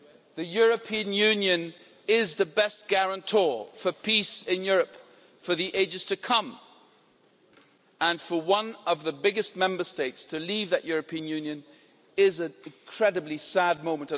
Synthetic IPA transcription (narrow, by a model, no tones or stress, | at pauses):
ðɨjʊɹɨpʰĩɨ̃njʉ̃njɨ̃n | ɪzðɨbɛst̚ɡ̥æɹə̃ntʰɔɹfə˞pʰisɪ̃njʊɹɨp | fə˞ðiʔeɪd͡ʒɨz̥tʰɨkʰʌ̃m | ə̃nfə˞wʌ̃nʌvðɨbɪɡɨst̚mɛ̃mbə˞steɪtstʰɨlivðɨʔjʊɹɨpʰĩɨ̃njʉ̃njɨ̃n | ɪzɨ̃ñnkʰɹ̥ɛɾɨblisæd̚mõʊ̃mə̃ntɨ